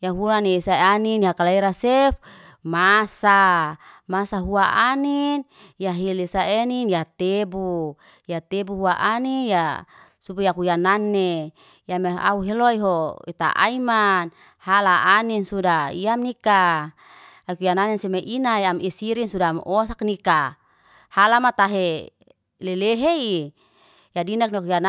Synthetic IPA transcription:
jaɦuɾanisaaniniɦakalaiɾasef | masa | masaɦuaʔanin | jaɦilisaeninjat̪ebu | jat̪ebuɦuaʔaninjasubujakujananːe | jamea̰uɦeloiɦoit̪a̰ʔa̰iman | halaʔaninsudaiamnika | akujananensemeʔinajamisiɾinsudamʔosaknika | halamat̪aɦe | leleɦei | jadinak̚nakujana

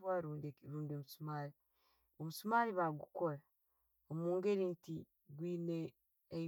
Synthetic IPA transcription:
waːɾuːndekiɾuːndemusumaːɾi | omusumaːɾiβaɡukoɾa | omuːŋɡeɾinti | ɡwiːneː

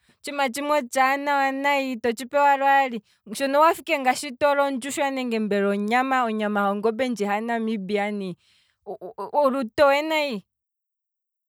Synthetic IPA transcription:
t͡ʃimat͡ʃimwɔt͡ʃanawanaitɔt͡ʃipɛwaɾwali | ʃɔnɔwafikɛŋɡaʃitɔɾɔnd͡ʒuʃwanɛŋɡɛmbɛɾɔɲamaɔɲamaɦɔŋɡɔbɛnd͡ʒiɦanamibiani | ɔɾutɔwɛnai

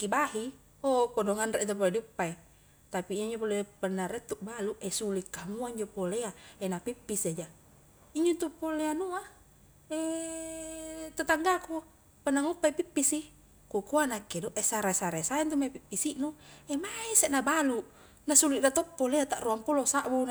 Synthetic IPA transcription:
kːibaɦi | opodɔŋanɾeʔt̪op̬olediupːae | t̪apiiaɲd͡ʒopolepənːaɾɛt̪uʔbaluʔɛsulikːamuaiɲd͡ʒopoleaenapipːisad͡ʒa | iɲd͡ʒont̪upoleanua | e | t̪at̪aŋɡaku | pənaŋupːaipipːisi | kukuanakːedɔʔesaɾasaɾasaɛnt̪umaipipːisiʔnuɛmaisenabalu | nasuliʔdat̪ɔpːoleat̪aʔruampulosaʔbun

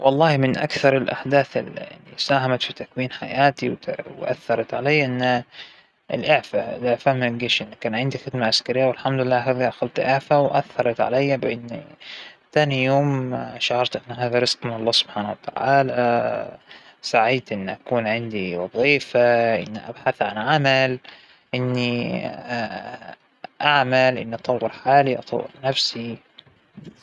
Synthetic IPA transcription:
wʔɑlˤːɑːhmɪnʔa̰kθɑɾˤɪlʔa̰ħd̪aːθɪ̰lʔa̰lːḭsaːɦamat̪fit̪akwiːnħa̰jaːt̪iw̪wʔa̰θːɑɾˤɑt̪ʕalajːaʔɪnːa | ɪ̰lʔɪʕfaɪ̰lʔɪʕfamɡiːʃʔɪnːakːaːnʕɪnd̪ixɪd̪maʕaskaɾɪjːawɪlħamd̪lɪlːaːɦaːðiʔaxalt̪ʔɪʕfawʔaθːɑɾˤɑt̪ʕa̰lajːabɪʔɪnː | t̪aːnijoːmʃaʕɑɾˤt̪ʔɪnːɦaːðaɾˤɪsqmɪnɑlˤːɑːsʊb̥ħaːnawat̪a̰ʕa̰ːla | saʕiːt̪ʔɪnːiʔakuːnʕɪnd̪iwɑðˤiːfaʔɪ̰nːiʔa̰bħaθʕanʕamal | ʔɪnːi | ʔaʕmalʔɪ̰nːiʔɑt̪ˤɑwːɑɾħaːliʔɑ̰t̪ˤɑ̰wːɑ̰ɾnafsi

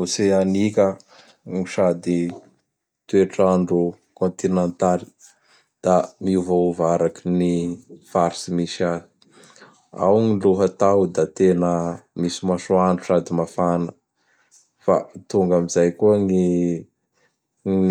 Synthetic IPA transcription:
useanikʲə | ŋiʃad̪i | t̪ueʈ͡ʂaɳɖ͡ʐu | kõnt̪inẽnt̪ali̥ | d̪̥amiuvouvaɾakinifaɾsimisazi̥ | a̰wŋiluɦət̪awd̪at̪enəmisimasuaɳɖ͡ʐusad̪imafanə | fa̰t̪uŋɡamizajkuəŋi

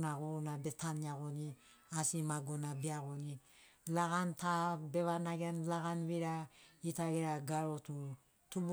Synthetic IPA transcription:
naɣuɾnabetʰaniaɣoni | asimaɡonabeaɡoni | laɣantabeβanaɡianlaɡanβiɾaitaɡeɾaɡaɾotu | tub

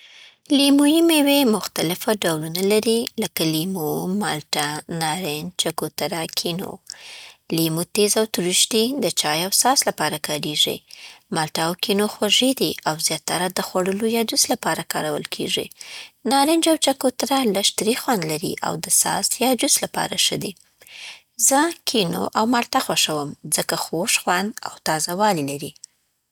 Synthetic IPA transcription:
limujimewemʊxt̪alɪfaɖawlunalaɾiləkalimomɑlʈanɑɾɪnt͡ʃakot̪aɾakʰino̰ | limot̪ezawt̪uɾɪʃt̪id̪ət͡ʃɑjawsɑslapɑɾakɑɾeʐḭmɑlʈaːwkʰinoxwaʒid̪iawzjɑt̪ːaɾad̪əxwaɽəlojɑd͡ʒuslapɑɾakɑɾawə̰lkʰḛʐḭnɑɾɪnd͡ʒawt͡ʃakot̪ɾalaʃt̪ɾixwand̪laɾḭʔa̰wd̪əsɑ̰sjɑd͡ʒuslapɑ̰ɾaʂəd̪e | zəkʰino̰ʔawmalt̪axwaʃawəmzəkaxoʂxwand̪a̰wt̪ɑzawɑlilaɾi

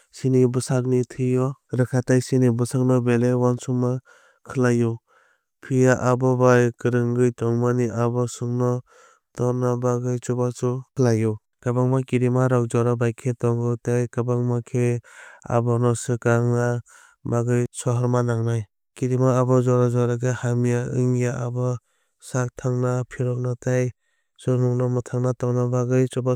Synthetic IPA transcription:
sinibɯsak̚nitʰɯjɔɾɯkʰatajsinibɯsak̚nɔbelewansuŋma | kʰɯlajɔ | pʰijaʔabɔbajkɯɾɯŋɡɯjtɔŋmaniʔabɔsuŋnɔ | tɔnabaɡɯjt͡ʃubat͡ʃukʰlajɔ | kabaŋmakiɾimaɾawd͡ʒɔɾabajkʰetɔŋɡɯtajkabaŋmakʰea̰bɔnɔsɯkaŋna | baɡɯjsɔɦɔɾmanaŋnaj | kiɾimaːbɔzɔɾazɔɾaɡɯhamijaɯ̰ŋjaʔabɔ | sak̚tʰaŋnapʰiɾɔk̚nataj | sɔnuŋnɔmɯtʰaŋnatɔnabaɡɯjt͡ʃuba

